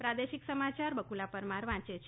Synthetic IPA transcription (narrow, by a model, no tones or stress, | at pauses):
pɾad̪eʃiksəmat͡ʃaɾbəkulapəɾmaɾʋãt͡ʃet͡ʃʰ